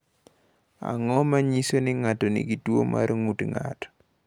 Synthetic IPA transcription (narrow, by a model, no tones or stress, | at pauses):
a̰ŋɔmaɲisonɪŋatɔnḭɡitwo̰mʔa̰ɾŋutŋa̰tɔ̥